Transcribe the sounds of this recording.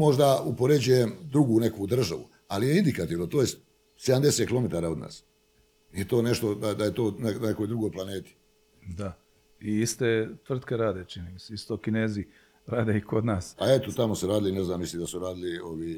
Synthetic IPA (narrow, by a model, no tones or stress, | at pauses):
mo̞ʒd̪aupoɾe̞d͡ʒujemd̪ɾuɡune̞kud̪r̩ʒaʋṵ | alieind̪ikat̪iːʋnot̪ojest̪ | sed̪amd̪e̞set̪kilo̞met̪aːɾaːo̞d̪na̰ːs | jet̪o̞ːne̞ʃt̪o̞d̪ad̪ajet̪o̞ːnenekojd̪ɾuɡo̞jplˠaneːt̪i̥ | d̪a | iist̪et̪ʋr̩t̪keɾaːd̪et͡ʃiniːmiseist̪okineːzi | ɾaːd̪eiko̞d̪naːsaet̪ot̪amosuɾaːd̪ilineznaːmːisliːmd̪asuɾaːd̪ilioʋiː